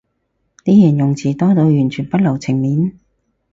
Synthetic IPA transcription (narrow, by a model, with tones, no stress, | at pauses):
t̪iː˥jɐ˨˩njʊ˨ŋt͡sʰiː˨t̪ɔː˥t̪o˨˧wjyː˨˩nt͡ʃʰyː˨˩npɐ˥t̚lɐ˨˩wt͡sʰɪ˨˩ŋmiː˨˥n